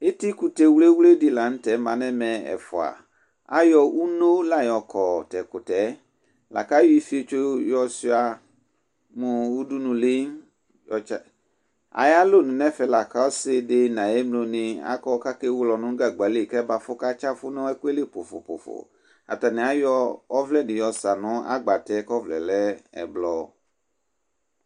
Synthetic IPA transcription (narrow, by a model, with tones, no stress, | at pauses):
ɪ˦tɪ˦ku˨tɛ˨˦wle˦wu˦le˦di˦la˨n̩˦tɛ˨˦mã˨˦nɛ˦mɛ˨ɛ̰˨fʊ˨a̰˨ | a̰˦jɔ˨ʔu˦no˦la˦˨jɔ˨kʰɔ˨tɛ˨kʊ˨tɛ˨˦ | la̰˨ka˦jɔ˦i˦fi˦e˦t͡ʃo˦jɔ˦sɪ˦a˨ | mʊ˨u˦du˦nʊ̃˨lɪ˦n | jɔ˨t͡ʃa˦˨ | a̰˨ja˦lo˦˨nũ˨nɛ̃˦fɛ˨la˨ka˦sɪ˦de˦nã˨je˦mlo˧nĩ˨a̰˦kɔ˦ka˦ke˦wlɔ˨nũ˦ŋ˦ɡa˨ɡ͡ba˨˦le˦˨kɛ˦ba˨fʊ˦ka˦t͡ʃa˦fʊ˦nɔ̃˦ɛ˦ku˦e˦le˦po˨fo̰˨po̰˨fo̰˨ | a̰˨ta˨nɛ̃˨a˦jɔ˦ɔ˦vlɛ˦dɪ˨jɔ˨sa˨nɔ̃˦a̰˦ɡ͡ba˨tɛ˨˦kɔ˦vlɛ̰˨lɛ˦ɛ̰˨blɔ˦